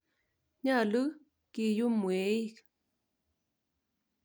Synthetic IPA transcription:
ɲa˦˨lɨ˦ | ki˨ju˦mwe˨˦i˦k

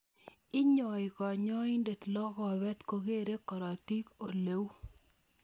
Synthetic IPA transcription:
ɪ˦ɲɔ˨ɪ˨kɔ˨ɲɔ˦ɪ˦nde˨t̪lɔ˦kɔ˨bɛ˦t̪ko˨ɡe˦˨ɾe˦kɔ˨ɾɔ˨ti˦ko˨le˨˦w

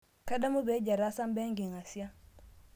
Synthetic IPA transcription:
ka˦da˦mu˦be˨˦ɟa˨ɾa˦sa˦mbe˦ŋɡi˨ŋa˨si˦a˦

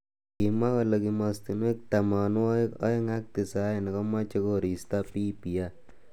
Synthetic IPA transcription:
ki˨ma˦kɔ˦le˨˧ki˧mɔ˧sti˨nwe˦k̚ta˨ma˨n˦wɔ˦ɪ˦kɔ̰˦ɪ˦ŋa˦k̚ti˨sa˦e˨ni˨kɔ˦ma˦t͡ʃe˦ko˦ɾi˨sta˦pi˦pi˨a˦

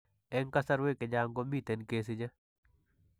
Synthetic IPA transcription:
ɛ˦ŋka˦sa˦ɾwe˦ke˨d͡ʒaŋɡo˦mi˦t̪e˨nkes̬ɪ˦d͡ʒɐ˦

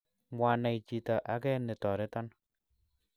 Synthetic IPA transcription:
ŋwa˨na˨it͡ʃi˨ta˨ʔa˨˦kɛ˦nɪ˨tɔ˨ɾɪ˦ta˦n

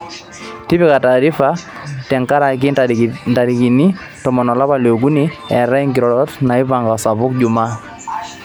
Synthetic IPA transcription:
ti˦pɪ˦ka˨taː˨ɾi˦fa˦tɛ˨ŋka˦ɾa˨kɪ˦nda˨ɾi˨ki˨ni˦ | tɔ˨mɔ˨nɔ˨la˦ba˨lo˨ɡu˦ni˦ɛ˨ɾa˦i˦ŋɡi˨ɾɔ˨ɾɔ˦tna˨ɪ˦pa˨ŋɡa˨sa˨βʊ˦kd͡ʒʊ˨ma˦

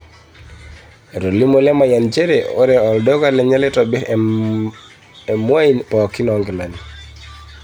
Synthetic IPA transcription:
e˨ɾo˨li˦mo˦lɛ˦ma˨ja˨nt͡ʃe˦ɾe˨o˦ɾɛ˨ɔ˨ldɔ˦ka˦lɛ˨ɲɛ˦lɛ˦tɔ˨bɪ˦ɾ | ɛ˨mwa˦i˦npɔ˨kɪ˦nɔ˨ŋɡɪ˨la˨ni˨

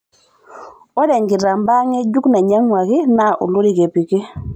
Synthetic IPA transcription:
ɔ˦dɛ˨ŋɡɪ˨ɾa˨mba˦ŋɛ˦d͡ʒu˦kna˨ɲa˦ŋwa˨kɪ˦na˨ʔo̰˨lo˦ɾi˨ke˨pi˨ke˦

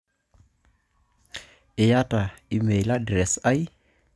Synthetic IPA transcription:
ɪ˨ja˦ta˨i˦me˨ila˦dɾɛ˨sa˦i˦

